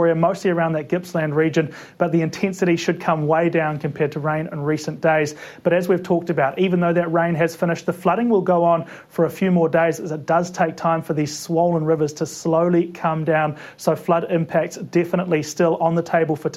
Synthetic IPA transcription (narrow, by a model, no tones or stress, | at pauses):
ɹiɨmoʊstˡliə˞ãʊ̃nðɨt̚ɡ̥ɪpslæ̃ndɹid͡ʒɨ̃n | b̥ʌt̪̚ðiɨ̃ntʰɛ̃nsɨɾiʃɨd̚kʰʌ̃mweɪdãʊ̃nkʰɨ̃m̩pʰɛɹd̚tʰəɹẽɪ̃nɨ̰̃nɹisɨ̃nd̥eɪzb̥ʌɾɨzwiv̥tʰɔk̚tɨbaʊɾʔivɨ̃nðoʊðɨt̚ɹẽɪ̃nɨz̥fɪ̃nɨʃt̪̚ðəflʌɾɪ̃ŋwəlˠɡoʊə̃n | fə˞ɨfjʉmɔɹdeɪzɨzɨt̚d̥ʌz̥tʰeɪk̚tʰãɪ̃ɱfə˞ðiz̥swɔʊlˠə̃nɹɪvə˞z̥tʰɨsloʊlˠikʰʌ̃mdãʊ̃n | soʊflʌɾɪ̃mpʰæk̚tsd̥ɛfəñəʔˡlistɪlˠə̃nðətʰeɪbəl̩ˠfə˞